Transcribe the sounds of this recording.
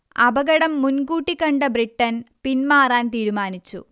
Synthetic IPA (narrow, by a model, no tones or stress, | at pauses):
ɐbɐɡɐɽɐmːunɡuːʈːikɐɳɖɐbriʈːɐnpinmaːraːnt̪iːɾumaːnit͡ɕːṵ